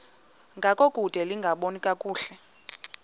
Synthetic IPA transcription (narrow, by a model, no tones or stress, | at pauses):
ŋɡʱakʼokʼud̥ʱɛliŋɡʱaɓonikʼakʼuːɬɛ